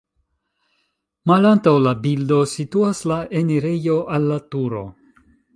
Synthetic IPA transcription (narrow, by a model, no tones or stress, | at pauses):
malantawlabildo̞situaslaʔe̞niɾe̞jo̞ʔalːatuɾo̞̰